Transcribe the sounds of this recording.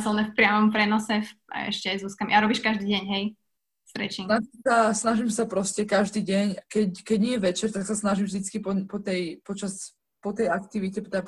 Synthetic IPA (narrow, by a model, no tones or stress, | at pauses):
zlnɛfpɾɪamɔmpɾɛnɔsɛfa̰ɛ̰ʃcɛzuːskamʔaɾɔbiːʃkaʒd̪iːɟɛɲɦɛj | sɾɛ̰t͡ʃinaʒimsasnaʒimsapɾɔscɛkaʒd̪iːɟɛɲkɛckɛɟɲɪɛjɛʋɛt͡ʃɛɾt̪aksasnaʒimʒd̪it͡skipɔpɔt̪ɛjpɔt͡ʃas | pɔt̪ɛjakt̪iʋicɛpt̪ɛp